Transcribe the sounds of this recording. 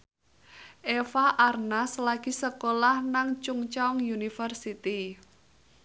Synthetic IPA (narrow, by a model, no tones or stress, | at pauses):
ʔefaʔarnaslaɡ̥isəkolahnaŋt͡ʃuŋt͡ʃaʊŋjunifərsit̪i